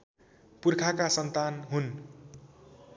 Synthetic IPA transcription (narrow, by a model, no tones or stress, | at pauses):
purkʰakasʌnt̪anɦun